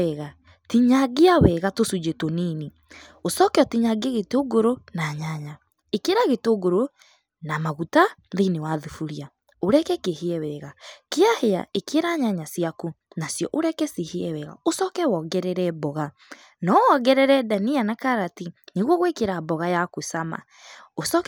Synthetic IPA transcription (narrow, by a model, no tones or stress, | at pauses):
ɛɣa | tiɲaɡeawɛɣatosud͡ʒetonene | osɔkɛɔtiɲaɡeaɣetoɡoɾonaɲaɲa | ekeɾaɣetoɡoɾo | namaɣutaðenewaðufuɾia | oɾɛkɛkeheɛwɛɣakeahea̰ekeɾaɲaɲasiakonasjɔ̰ʔoɾɛkɛseheɛwɛɣa̰osɔkɛwɔɡɛɾɛɾɛbɔɣa | nɔwɔɣɛɾɛɾɛdanianakaɾatineɣwɔɣwekeɾabɔɣajakosama̰ | osɔk